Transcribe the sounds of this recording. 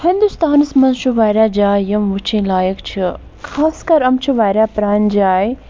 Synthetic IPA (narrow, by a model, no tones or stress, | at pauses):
hind̪ust̪ʰaːnɨsmɐnʃuʋaːjɾʲaːd͡ʒaːjɐmʋut͡ʃʰĩːlaːjəkt͡ʃʰi | kʰaːskɐɾɐmt͡ʃʰuʋaːjɾʲaːpɾaːnd͡ʒaːj